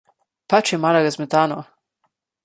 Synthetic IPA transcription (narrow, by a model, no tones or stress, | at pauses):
pat͡ʃjɛmaːlaɾazmɛt̪aːnɔ